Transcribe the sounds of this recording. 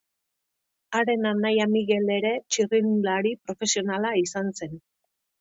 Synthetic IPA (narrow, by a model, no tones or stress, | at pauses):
aɾe̞nanajamiɣe̞le̞ɾe̞t͡ʃirinlaɾipɾo̞fe̞sio̞nalaisanse̞n